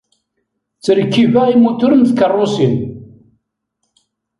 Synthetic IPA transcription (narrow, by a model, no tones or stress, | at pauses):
t͡sːəɾəkːivæimut̪ʊɾənθkərˤːʊsin